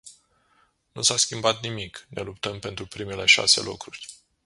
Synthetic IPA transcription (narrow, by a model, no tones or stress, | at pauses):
nusaskʲimbat̪nimikne̞lup̚t̪əmpe̞nt̪ɾupɾime̞le̞ʃa̰se̞̰lʔokɾurʲ